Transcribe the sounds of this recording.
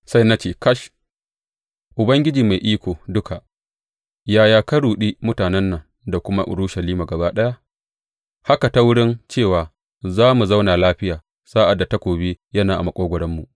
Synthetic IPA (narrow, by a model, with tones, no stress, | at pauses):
sa˦jna˦t͡ʃeː˦˨kɐ˦ʃ | ʔʊ˨bɐ˦ŋɡʲɪ˦d͡ʒiː˨ma˨jʔiː˦kʷoː˨dʊ˦ka˨ʔ | jaː˨jaː˨kɐ˦ɽuː˨ɗi˦mʊ˦taː˨nɛ˦nːɐ˨ŋ | da˨kʷʊ˦ma˦ʔʊ̰˨ɽʊ˦ʃɐ˨liː˦ma˨ɡɐ˨baː˦ɗɐ˦ja˦ | ha˦ka˨ta˦wʊ˦ɽɪ˦nt͡ʃeː˦˨waː˨ | zaː˦mu˨zɐ˦wnaː˨laː˦ɸɪ˦jaː˨ | saː˦ʔa˨dːa˨ta˦kʷoː˨bi˦jɐ˦naː˨ʔa̰˨mɐ˦kʷʼoː˦ɡʷʊ˨ɽɐ˦mːu˨ʔ